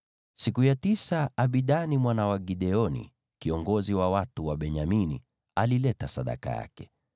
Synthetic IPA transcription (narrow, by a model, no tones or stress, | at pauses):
sikujatisaaɓiɗanimwanawaɡiɗɛɔnḭ | kiɔŋɡɔziwawatuwaɓɛɲaminḭ | alilɛtasaɗa̰ka̰ja̰kɛ